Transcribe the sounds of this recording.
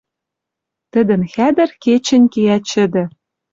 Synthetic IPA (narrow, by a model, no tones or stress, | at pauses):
t̪ə̆d̪ɘ̆nxæd̪ɘ̆rket͡ɕɘ̆nʲkeæt͡ɕɘ̆d̪ɘ̆